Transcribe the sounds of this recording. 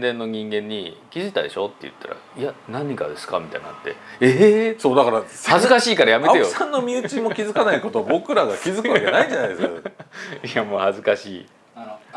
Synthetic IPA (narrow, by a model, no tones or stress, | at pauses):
d̪ẽ̞nːo̞ɲ̟ĩŋɡẽ̞ɲ̟ːikʲizit̪ad̪iɕo̞t̪ːe̞̰jɯ̟̰t̪ːa̰ɾa̰ianãɲ̟ːika̰d̪e̞sɨ̥ka̰mʲit̪a̰ina̰t̪ːe̞̰eso̞ːd̪akaɾahazɨkaɕiːkaɾajame̞t̪eo̥sãnːo̞mʲiɯt͡ɕimo̞kʲizɨkanaiko̞t̪obo̞kɯ̟ɾaɡakʲizɨkɯβakenaiɲd͡ʑanajd̪esk | jamoːhazɨkaɕiː